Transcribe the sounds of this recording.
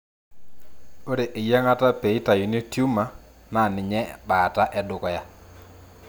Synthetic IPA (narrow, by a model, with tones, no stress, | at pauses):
o˦ɾe˨ʔe˨ja˦ŋa˦ta˦pe˨i˦ta˨ju˨ni˦o˦tju˦ma˨ | ma˦˨nɪ˨ɲɛ˦ɓaː˨ta˦ʔɛ˦dʊ˨kɔ˨ja˦